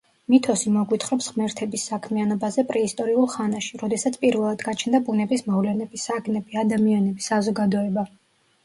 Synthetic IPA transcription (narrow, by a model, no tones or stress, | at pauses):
mit̪ʰɔsimɔɡwit̪ʰχɾɔpsʁmɛɾt̪ʰɛbisːakʰmianɔbazɛpʼɾɛist̪ʼɔɾiulˠχanaʃiɾɔd̪ɛsat̪sʰpʼiɾvɛlˠad̪ɡat͡ʃʰnd̪abunɛbismɔvlɛnɛbisaɡnɛb̥iad̪amianɛbisazɔɡad̪ɔɛba